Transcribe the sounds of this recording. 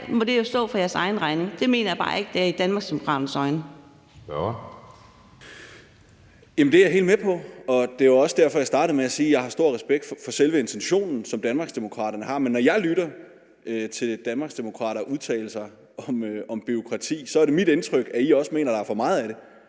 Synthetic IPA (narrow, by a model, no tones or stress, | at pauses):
mɒ̽d̥e̝jo̝sd̥ɔ̰̽ːfɑ̈jæɐsɑ̈ɪn̩ʁɑ̈ɪne̝ŋd̥e̝me̝̰ːnɐjäb̥ɑ̰̈ːe̝ɡ̥əd̥eæɐid̥ænmɑ̈ɡsd̥emo̝kʰʁɑ̰̈ːd̥n̩sɒ̽ɪn | jæmənd̥e̝æjɐɦe̝̰ld̥mepʰɒ̽ɒ̽d̥e̝ɑɒ̽sd̥æɐ̰fɒ̽jɑ̈ɪsd̥ɑ̈ːɾ̥ð̩ˠmeæsiːjɑ̈ɪhɑ̈sd̥o̝ɐ̰ʁɛsb̥eɡ̥̚d̥fɒ̽selʋəe̝nt͡sʰenɕo̝̰ːnn̩sɒ̽md̥ænmɑ̈ːɡ̥sd̥e̝mo̝kʰʁɑ̰̈ːɾ̥ɐnəhɑ̈menːɒjɑ̈ɪlyɾɐ | t͡sʰe̝ld̥ænmɑ̈ːɡ̥sd̥e̝mo̝kʰʁɑ̰̈ːɾɐʔuð̞ˠt͡sʰɛ̰ːl̩sɑ̈ɪ | ɒ̽mɒ̽mb̥yo̝kʰʁɑ̈t͡sʰḭːsɒ̽æɐɾe̝mid̥ent͡sʰʁœɡ̥æiɒ̽səme̝̰ːnɐɾ̥ɑ̈æɐfɒ̽mɑ̈ːð̞̩ˠæɾ̥e̝